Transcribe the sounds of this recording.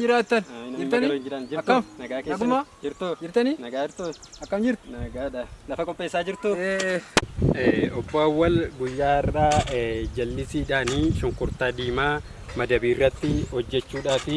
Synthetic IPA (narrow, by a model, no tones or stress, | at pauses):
d͡ʒɪɾaːɪt̪ːɐnɪnnloɪnd͡ʒɪɾɐnd͡ʒɪɾtːɐnɐɡaːkeːɡmad͡ʒɪɾt̪od͡ʒɪɾt̪ɐninɐɡaːd͡ʒɪɾt̪oɐkːɐmd͡ʒɪɾt̪nɐɡaːᶑɐlɐfɐkʼɔpʼːeːsːaːd͡ʒɪɾt̪ue | ɛːɔbːoːɐwːɐlɡʊjːaːɪrːaːd͡ʒɐlːɪsiːᶑaːniːʃʊŋkʊɾt̪aːd̪iːmaː | mɐd̪ɐbiːɪrːɐt̪ːɪhɔd͡ʒːɛt͡ʃːuːᶑaːfɪ